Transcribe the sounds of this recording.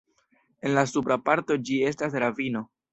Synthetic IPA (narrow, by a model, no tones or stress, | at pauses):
e̞nlasupɾapaɾto̞d͡ʒie̞stas̬ɾavino̞